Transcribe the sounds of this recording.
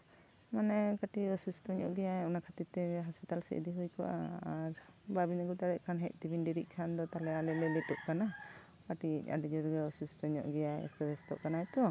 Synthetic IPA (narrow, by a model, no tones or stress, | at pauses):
manɛkaʈiɔsustɔɲɔ̰ʔɡɛjaɔnakʰat̪it̪ɛɦɔspit̪alsɛ̰ʔḛd̪iɦujkɔ̰ʔa̰aɾbabinaɡut̪aɾɛʔkʰanɦɛc̚ˀt̪ibinɖiɾiʔ̚ˀkʰand̪ɔt̪alɛalɛlɛlɛtɔʔkana | kaʈia̰ɖid͡ʒɔɾɡɛɔsustɔɲɔ̰ʔɡɛjaɛ̰stɔɾɛst̪ɔ̰ʔkanaɛt̪ɔ